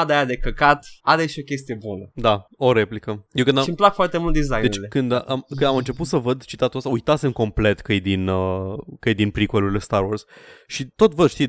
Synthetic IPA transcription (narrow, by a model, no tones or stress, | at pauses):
ad̪ajad̪ekəkat̪aɾeʃo̞kʲest̪ije̞bunəd̪ao̞ɾe̞plikəjekɨnd̪aʃimplakfoart̪emult̪d̪izajd̪et͡ʃʲlekɨnd̪ʔamkɨnd̪amɨnt͡ʃe̞put̪səvəd̪t͡ʃit̪at̪uəst̪aujt̪at̪se̞mko̞mple̞t̪kəjed̪inəkəjed̪inpɾikualuɾilest̪aɾworz̥ʃit̪o̞t̪vəd̪ʃt̪i